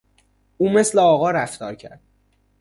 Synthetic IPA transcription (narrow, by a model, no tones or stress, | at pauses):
uːme̞sleɒːɣɒːɾæft̪ʰɒːɾcʰæ̰ɾd̪̥